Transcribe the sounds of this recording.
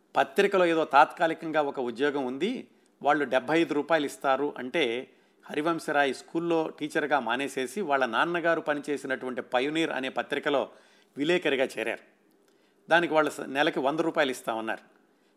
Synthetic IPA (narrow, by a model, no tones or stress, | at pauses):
pɐt̪ɾikɐlo̞ːeːd̪o̞ːt̪aːt̪kaːlikɐŋɡaːɔkɐud̪jɔːɡɐmund̪i | ʋaːɭːuɖɛbʱːɐjɐjd̪uɾuːpaːjɐlist̪aːɾuʔɐɳʈe̞ː | hɐɾiʋɐmsɐɾaːjiskuːlːo̞ːʈiːt͡ʃɐɾɡaːmaːneːse̞ːsiʋaːɭːɐnaːnnɐɡaːɾupɐnit͡ʃe̞ːsinɐʈuʋɐɳʈipɐjuniːɾɐ̰ne̞ːpɐt̪ɾikɐlo̞ː | ʋilɛːkɐɾiɡaːt͡ʃɛːɾa̰ːɾu | d̪aːnikiʋaːɭːɐnɛlɐkiʋɐnd̪ɐɾuːpaːjlist̪aːunːa̰ːɾu